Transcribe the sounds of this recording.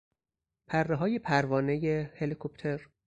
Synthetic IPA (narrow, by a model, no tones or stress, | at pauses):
pʰærːeɦɒːje̞pʰæɾvɒːne̞jehelikʰopʰt̪ʰeɾ